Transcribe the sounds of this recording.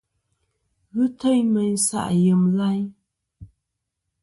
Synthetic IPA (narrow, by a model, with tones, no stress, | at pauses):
ɣɨ˦t̪ʰə˧˨jmə˨ɲsa̰˧˨jə˨mla˧j